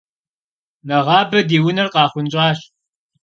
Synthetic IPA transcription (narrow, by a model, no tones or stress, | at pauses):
nɐʁɑːbɐdiːwʊnɐrqɑːχʷʊnʼɑːɕ